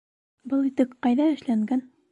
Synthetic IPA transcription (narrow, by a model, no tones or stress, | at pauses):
bɤlˠit̪ɘkqɑjðɑɘ̆ʃlæŋɡæn